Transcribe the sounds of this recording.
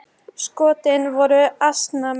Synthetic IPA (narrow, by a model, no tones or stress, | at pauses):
skɔːt̪ɪnvɔɾʏast̪nam